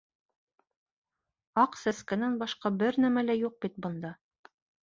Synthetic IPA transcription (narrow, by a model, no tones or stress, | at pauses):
ɑqsæskænænbɑʃqɑbɘɾnæmælæjuq̚bit̪̚bɤ̆nd̪ɑ